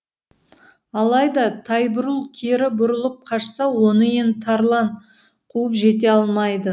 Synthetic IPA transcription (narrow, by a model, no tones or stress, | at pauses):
ɑlˠɑjd̪ɑt̪ʰɑjbʊɾulˠkʲʰeɾɪbʊɾəlˠəp̚qʰɑʃsɑwo̞nəe̞nt̪ʰɑɾlˠɑɴ | qʰuəpʒe̞t̪̬e̞ɑlˠmɑjd̪ə